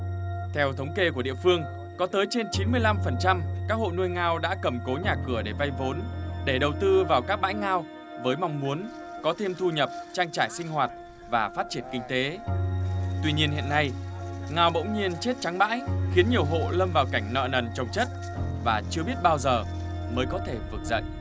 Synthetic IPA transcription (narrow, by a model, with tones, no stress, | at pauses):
t̪ʰɛ˧wt̪ʰə˨˦wŋ͡mke˧ku˧˩əɗḭ˧˨əfɨ˧əŋ | kɔ˨˦t̪əː˨˦jt͡ɕe˧nt͡ɕi˨˦nmɨ˧əjla˧mfə˨˩nt͡ɕa˧mkaː˦˥k̚ho̰˧˨nu˧əjŋaː˧wɗa̰ː˧˥kə˧˩mko˨˦ɲaː˨˩kɨ˧˩əɗe˧˩va˧jvo˨˦nɗe˧˩ɗə˨˩wt̪ɨ˧vaː˨˩wkaː˦˥k̚ɓa̰ː˧˥jŋaː˧w | vəː˨˦jma˧wŋ͡mmu˨˦ən | kɔ˨˦t̪ʰe˧mt̪ʰu˧ɲə˨˩p̚t͡ɕaː˧ŋt͡ɕaː˧˩jsï˧ŋ̟ɦwaː˨˩t̚ | vaː˨˩faː˦˥t̚t͡ɕi˧˩ənkï˧ŋ̟t̪e˨˦ | t̪wi˧ɲi˧ənhḭ˧əna˧jŋaː˧wɓə̰˧˥wŋ͡mɲi˧ənt͡ɕe˦˥t̚t͡ɕa˨˦ŋɓa̰ː˧˥jxi˨˦ənɲi˨˩əwɦo̰˧˨lə˧mvaː˨˩wka˧˩jŋ̟nə̰ː˧˨nə˨˩nt͡ɕə˨˩wŋ͡mt͡ɕə˦˥t̚ | vaː˨˩t͡ɕɨ˧əɓi˦˥ət̚ɓaː˧wzəː˨˩ | məː˨˦jkɔ˨˦t̪ʰe˧˩vɨ˨˩k̚zə̰˧˨ŋʔ